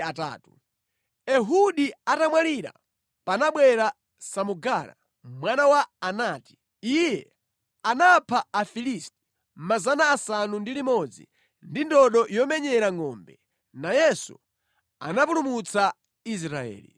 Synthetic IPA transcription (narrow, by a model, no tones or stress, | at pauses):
ata̰ːtu | ɛɦuɗiatamwaliɾa̰ | panaɓwɛɾa | samuɡaɾa̰ | mwanawaːnaːti̥ | ijɛ | anapʰaafilisti̥ | mazanaːsanundilimɔd͡zḭ | ndindɔɗɔjɔmɛɲɛɾaŋɔːmbɛ | najɛsṵ | a̰napulumut͡sa | is̬ɾaɛ̰ːlḭ